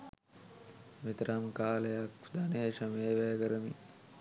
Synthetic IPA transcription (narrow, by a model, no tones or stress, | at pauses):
mit̪ɾamkaːlɐjakd̪aneʃɐmeːʋɛːɡɐɾəmi